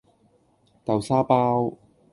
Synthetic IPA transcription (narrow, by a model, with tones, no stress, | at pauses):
t̪ɐ˨wsaː˥paː˥w